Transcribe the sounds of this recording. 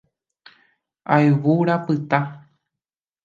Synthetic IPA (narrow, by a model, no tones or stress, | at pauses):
aeʋuɾapɨt̪a